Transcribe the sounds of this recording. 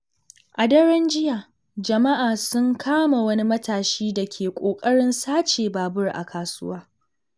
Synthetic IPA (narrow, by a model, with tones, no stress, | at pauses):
ʔa˨dɐ˦ɽɛ˦nd͡ʒɪ˦jaː˨ | d͡ʒɐ˨ma˦ʔaː˨sʊ˦ŋkʰaː˦ma˨wɐ˦ni˦mɐ˦taː˨ʃiː˦da˨kʲʰeː˨kʷʼoː˨kʼɐ˦ɽɪ˦nsaː˦t͡ʃeː˨baː˨bʊ˦rʔa̰˨kʰaː˨sʊ̰˦waː˦